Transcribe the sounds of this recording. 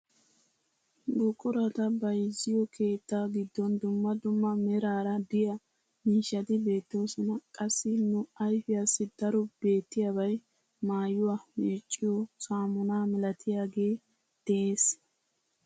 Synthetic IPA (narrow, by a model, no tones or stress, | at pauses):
ɡʊkʼːʊɾɐt̪ɐbɐjzːɪjɔkʰe̞ːt̪ːaːɡɪd̪ːɔnd̪ʊmːɐd̪ʊmːɐmɛɾaːɾɐbɪjɐ | miːʃːɐt̪ɪbe̞ːt̪ːoːsɔnɐkʼɐsːɪnʊɐjfɪjasːɪd̪ɐɾɔb̥e̞ːt̪ːɪjabɐj | maːjʊwaːmeːt͡ʃʼːɪjɔsaːmʊnaːmɛlɐt̪ʰɪjaːɡe̞ː | d̪̥ɛʔeːs